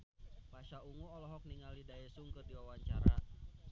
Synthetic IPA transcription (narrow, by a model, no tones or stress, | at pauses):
paʃauŋuɔlɔɦɔk̚niŋalidaɛsuŋkɨrdiwawaɲt͡ʃaɾa̰